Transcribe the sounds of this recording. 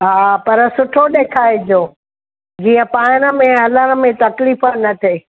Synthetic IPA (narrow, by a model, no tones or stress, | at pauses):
ɦaːpɐɾsʊʈʰoɗeːkʰaːɪd͡ʑoː | d͡ʑiːə̃paːñə̆mẽɐləñə̆mẽt̪ɐkliːfənɐt̪ʰeː